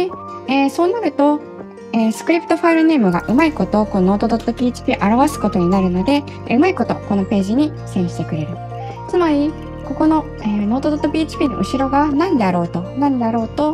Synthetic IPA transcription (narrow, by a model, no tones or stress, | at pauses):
e | eːso̞ːnaɾɯ̟t̪o̞ | eːsɨ̥kɯ̟ɾʲipɯ̟̥t̪o̞ɸaiɾɯne̞ːmɯ̟ɡa̰ʔɯ̟maiko̞t̪o̞ko̞no̞ːt̪o̞d̪ot̪ːopʲiːt͡ɕi̥pʲiːʔaɾaβasɨ̥ko̞t̪o̞ɲ̟inaɾɯ̟no̞d̪e̞ | ɯ̟maiko̞t̪o̞ko̞no̞pe̞ːʑiɲ̟i | sẽ̞ɰ̃ɕi̥t̪e̞kɯ̟ɾe̞ɾɯ̟ | t͡sɨmaɾʲi | ko̞ko̞no̞ | eːno̞ːt̪od̪ot̪ːopʲiːt͡ɕi̥pʲiːno̰ʔɯ̟ɕiɾo̞ɡanãnd̪eaɾo̞ːt̪o̞nãnd̪eaɾo̞ːt̪o̞